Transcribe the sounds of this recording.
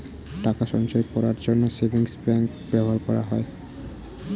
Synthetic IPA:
ʈakaʃɔŋʃɔepɔɾaɾd͡ʑonːosebʱiŋspɾɛŋk | bɛbʱaɾkɔɾaɦɔe

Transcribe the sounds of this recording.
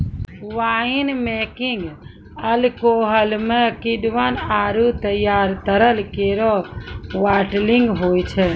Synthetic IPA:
ʋaːinmɛkiŋɡ | əlkoːɦəlmẽkiɖʋənaːɾut̪əjaːɾt̪əɾəlkeːɾɔʋaːʈliŋɡɦoːjt͡ʃʰɛ

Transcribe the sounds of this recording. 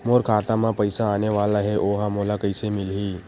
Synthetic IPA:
moːɾkʰaːt̪ãmãpəɪsaːneʋaːlaɦeʔoːɦãmoːlakəɪsemɪlɦiː

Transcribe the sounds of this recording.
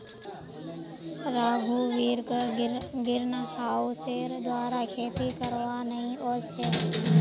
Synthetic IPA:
ɾaːɡʱuʋiːɾk | ɡɪɾnhaːuseɾd̪waːɾakʰeːt̪ikəɾʋanəɦĩoːst͡ʃʰeː

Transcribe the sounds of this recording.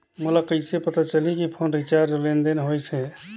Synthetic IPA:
mulakəɪsepət̪at͡ʃəlikipʰonɾit͡ʃaɾd͡ʒolend̪enɦojsɛ

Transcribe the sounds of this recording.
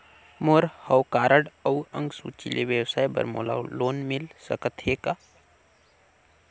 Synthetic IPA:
moɾhəwkaːɾəɽəwə̰̃ŋɡsṵːt͡ʃḭleʋjəwsaːjbə̰ɾmo̰ːla̰wloːnmɪlsə̰kət̪ʰɦeːka

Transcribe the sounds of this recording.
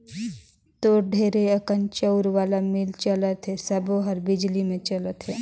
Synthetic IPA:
t̪oɖʱeːɾeɐkənt͡ʃəʊɾʋaːlamɪlt͡ʃɐlət̪ɦɛsɐboɦɐɾbɪd͡ʒlimẽt͡ʃɐlət̪ɦɛː

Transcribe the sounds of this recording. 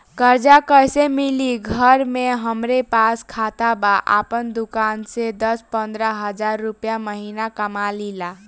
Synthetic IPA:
kəɾd͡ʒakəjsemiliɡʱəɾmeɦəmɾepaskʰat̪abaʔa̰pənd̪ukansed̪əspənd̪ɾəɦəd͡ʒaɾːupjaməɦinakəmalila

